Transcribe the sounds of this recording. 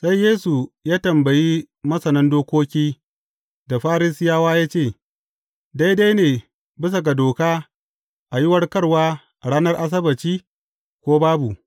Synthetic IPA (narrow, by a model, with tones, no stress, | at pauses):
sa˦jːeː˦su˨jaː˦tɐ˨mbɐ˨ji˦ | mɐ˦sɐ˨nɐ˦ndoː˦kʷoː˦kʲiː˦ | da˨ɸaː˦ɾi˦sɪ˦jaː˦waː˦jaː˦t͡ʃeː˦˨ | da˦jda˦jneː˨ | bɪ˦s̬ɐ˨ɡa˨doː˨kaː˦ | ʔa˨jɪ˦wɐ˦rkɐ˦ɽwaː˦ | ʔa˨ɽaː˦nɐ˦rʔa˦s̬ɐ˦bɐ˨t͡ʃiː˦ | kʷoː˦baː˦bu˨